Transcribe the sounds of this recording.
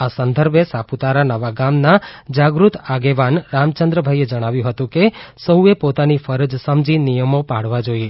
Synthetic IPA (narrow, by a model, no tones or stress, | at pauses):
asənd̪ʱəɾbesaput̪aɾanəʋaɡamnad͡ʒaɡɾut̪aɡeʋanɾamt͡ʃənd̪ɾəbʱaied͡ʒəɽ̃aʋjũɦət̪ũkesəɦuepot̪anifəɾəd͡ʒsəmd͡ʒinijəmopaɽ̤ʋad͡ʒoie